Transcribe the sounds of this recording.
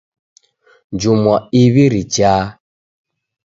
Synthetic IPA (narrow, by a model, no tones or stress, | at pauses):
d͡ʒumɔiβiɾit͡ʃaː